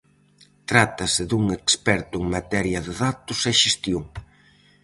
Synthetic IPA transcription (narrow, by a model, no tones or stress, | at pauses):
t̪ɾat̪ɐsɪðuŋekspɛɾt̪ʊeŋmat̪ɛɾjɐðɪðat̪ʊsɛʃest̪joŋ